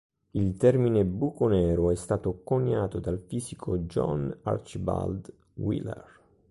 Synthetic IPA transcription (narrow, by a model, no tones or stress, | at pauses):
ilt̪ɛrminebukonɛːɾoɛst̪aːt̪okoɲːaːt̪od̪alfiːsikʰod͡ʒɔ̰na̰rt͡ʃiba̰ld̪ | wḭlḛr